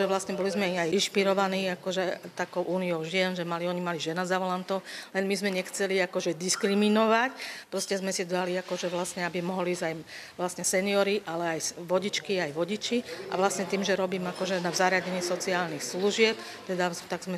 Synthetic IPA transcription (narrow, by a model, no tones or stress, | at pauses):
ʒɛʋlasɲɛbɔlizmɛajinʃpiɾɔʋaniːakɔʒɛt̪akɔʊʔuːniɔʊʒɪɛnʒɛmaliɔɲimaliʒɛnazaʋɔlant̪ɔʊlɛnmizmɛɲɛxt͡sɛliakɔʒɛd̪iskɾiminɔʋacpɾɔscɛzmɛsit̪d̪aliakɔʒɛʋlasɲɛabimɔɦɔliːzajʋlasɲɛsɛniɔɾiʔalɛajʋɔɟit͡ʃkiajʋɔɟit͡ʃiʔa̰ʋlasɲɛt̪iːmʒɛɾɔbiːmakɔʒɛnazaɾɪaɟɛɲɪɛsɔt͡siaːlnixsluʒɪɛp | t̪ɛd̪at̪aɡzmɛ